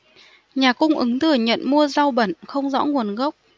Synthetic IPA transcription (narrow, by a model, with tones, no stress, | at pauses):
ɲaː˨˩kʊ˧ŋ͡mʔɨ˨˦ŋt̪ʰɨ˧˩əɲə̰˧˨nmu˧əza˧wɓə˧˩nxə˧wŋ͡mzɔ̰˧˥ŋu˨˩ənɣə˦˥wk͡p̚